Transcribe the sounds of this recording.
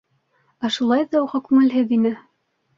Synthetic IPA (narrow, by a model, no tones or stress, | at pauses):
æʃulˠɑjðɑuʁɑkʉŋɘ̆lɦɘðinɘ